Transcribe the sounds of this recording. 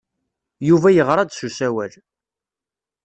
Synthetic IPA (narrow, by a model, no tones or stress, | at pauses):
juvæjəʁɾˤɑd̪susæwæl